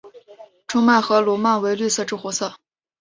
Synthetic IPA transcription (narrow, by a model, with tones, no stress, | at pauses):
ʈ͡ʂʰʊ˥ŋma˥˩ɪxɤ˧˥lwɔ˧˥ma˥˩nwe˧˥ɪly˥˧sɤ˥˧ʈ͡ʂɻ̩u˥˩xwɔ˧˥sɤ˥˩